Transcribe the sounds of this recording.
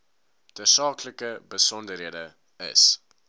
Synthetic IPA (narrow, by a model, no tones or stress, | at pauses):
d̥əsɑːkləkəbəsɔndəɾɦiədə | ə̰s